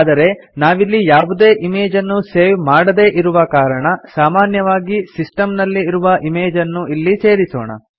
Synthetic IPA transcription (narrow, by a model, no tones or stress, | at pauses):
d̪ɐɾe̞ | naːʋilːijaːʋud̪e̞ːʔimeːd͡ʒɐnːuseːʋmaːɽɐd̪e̞ːʔiɾuʋɐkaːɾɐɳɐsaːmaːnjɐʋaːɡisisʈɐmnɐlːiːɾuʋɐʔime̞ːd͡ʒɐnːuʔilːise̞ːɾiso̰ːɳɐ̰